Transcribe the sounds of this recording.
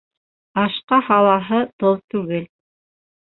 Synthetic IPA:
ɑʃqɑhɑlˠɑɦɤt̪ɤlˠt̪ʉɡɘl

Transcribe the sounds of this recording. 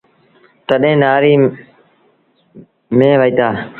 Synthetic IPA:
t̪əɗẽːnaːɾiː | mẽːʋəiːt̪aː

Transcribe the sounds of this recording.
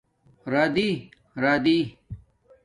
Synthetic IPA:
ɾaːd̪i | ɾaːd̪iː

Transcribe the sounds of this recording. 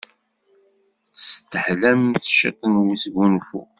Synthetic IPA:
st̪ːəħlæmθʃɑ̰t̪ˤːənwisɡunfṵ

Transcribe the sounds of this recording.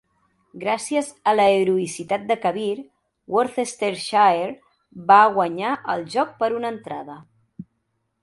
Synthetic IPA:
ɡɾasiəzələeɾuisit̪at̪̚d̪əkəβ̞iɾ | wʔoɾθest̪eɾʃaeɾ | baɣwəɲaʔəlˠʒɔk̚pəɾunənt̪ɾaðə

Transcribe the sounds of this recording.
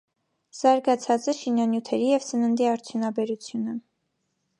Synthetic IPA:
z̥ɑɾɡɑt͡sʰɑt͡səʃinjɑnjut̪ʰɛɾijɛvsənənd̪iɑɾt͡sʰjunɑbɛɾut͡sʰjunə

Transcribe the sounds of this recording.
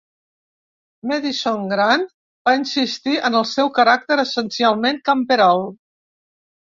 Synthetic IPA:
mɛðisoŋɡɾan | b̥ainsist̪iʔənəlˠsɛwkəɾak̚t̪əɾəsənsialˠmeŋkampeɾalˠ

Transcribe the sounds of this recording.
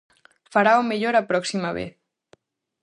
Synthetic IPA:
faɾaomeʎoɾapɾɔksimaβḛθ

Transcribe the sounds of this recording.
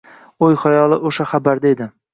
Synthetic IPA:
ojχajɒlˠɪʔoʃaχabaɾd̪aed̪ɪ

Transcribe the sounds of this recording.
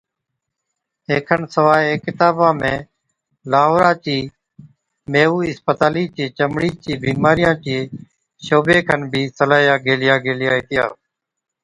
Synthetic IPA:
ɦeːkʰənsəʋaːeːkɪt̪aːbãːmẽː | laːɦoːɾãːt͡ʃiː | meːuːɪspət̪aːliːt͡ʃẽːt͡ʃəmɽiːt͡ʃiːbiːmaːɾɪjãːt͡ʃiː | ʃoːbeːkʰənbʱiːsəlaːjãːɡeːlɪjaːɡeːlɪjaːɪt̪ɪja̰ː

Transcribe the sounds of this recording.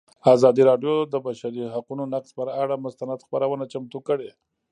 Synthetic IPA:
azɑd̪iɾɑɖjod̪əbaʃaɾiɦaqunonaqspəɾaɽamʊst̪anad̪xpaɾawənat͡ʃamt̪ukəɽe

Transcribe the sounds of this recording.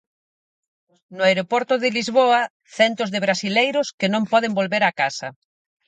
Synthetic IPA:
nʊajɾopɔɾt̪ʊðɪlizβoɐ | θɛnt̪ʊzðɪβɾasilejɾʊskɪnõmpɔðembolβeɾakasɐ

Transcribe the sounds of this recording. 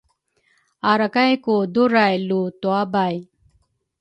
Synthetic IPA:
aɾɐkajkod̪uɾajlut̪wabaːj

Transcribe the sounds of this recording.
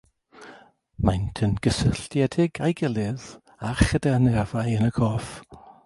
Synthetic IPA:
majntʰənɡ̥əsəɬtjɛdɪɡajɡɪlˠɪð | aχədɛrnɛrvajənəkʰɔf

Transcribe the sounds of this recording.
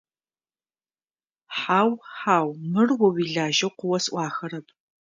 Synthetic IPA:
ħaːwħaːwmɨrwɔwiːɮaːʒɐwqʷʊwɐsʔʷɑːxɐɾɐpʼ

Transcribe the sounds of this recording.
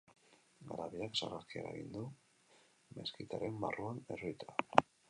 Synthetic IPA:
ɡaɾaβiaksa̰raɾkiaɾaeɣḭnd̪u | me̞skit̪aɾe̞mba̰ruanḛrojt̪a

